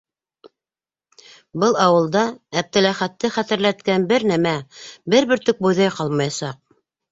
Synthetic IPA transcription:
bɤlˠɑwɤ̆lˠd̪ɑæp̚t̪ɘ̆læχæt̪ːɘχæt̪ɘ̆ɾlæt̪kænbɘɾnæmæbɘɾβɘ̆ɾt̪ɵk̚bujðɑjqɑlˠmɑjɑsɑq̚

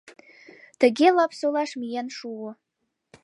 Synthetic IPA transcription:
tʰaɡʲelapʰsolaʂmijanʂuwo

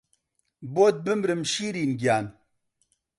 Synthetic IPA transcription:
boːt̪̚bɨmɾɨmʃiːɾiːnɡjaːn

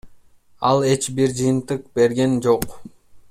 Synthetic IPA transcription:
ɑlˠe̞t͡ʃbiɾd͡ʒɯjɯnt̪ɯq̚be̞ɾɡe̞nd͡ʒo̞q

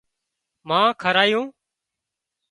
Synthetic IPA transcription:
mãːkʰəɾaːjũː

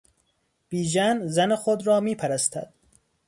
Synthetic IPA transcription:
b̥iːd͡ʒænzænexod̪ɾɒːmiːpʰæɾæst̪ʰæ̰d̪̥̚

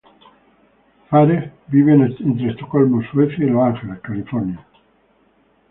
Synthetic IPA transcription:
faɾebiβenent̪ɾest̪okolmosweθjailoaŋxelakalifoɾnja

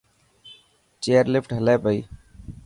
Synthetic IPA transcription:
t͡ʃeəɾlipʰʈɦəlɛpəi

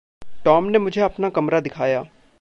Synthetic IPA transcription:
ʈɔːmneːmʊd͡ʒʱeɐpnaːkəmɾaːd̪ɪkʰaːjaː

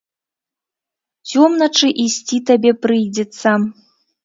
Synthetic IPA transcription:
t͡sʲɔmnɐt͡ʂɨʔisʲt͡sʲit̪abʲɛpɾɨjd͡zʲɛt̪st͡s̪ɐ

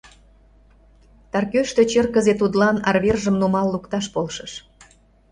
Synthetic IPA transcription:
t̪ɑrkøʃt̪ø̆t͡ɕərkəzet̪ud̪lɑnɑrβerʒə̆mnumɑlːukt̪ɑʃpolʃɤ̆ə̆ʃ

